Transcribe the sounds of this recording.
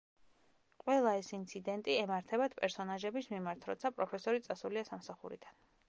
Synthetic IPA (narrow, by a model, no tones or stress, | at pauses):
qʼwɛlˠaɛsint̪sʰid̪ɛnt̪ʼiɛmaɾt̪ʰɛbat̪ʰpʼɛɾsɔnaʒɛbismimaɾt̪ʰɾɔ̰t̪sʰapʼɾɔpʰɛsɔɾit̪sʼasuliasamsaχṵɾḭd̪̥an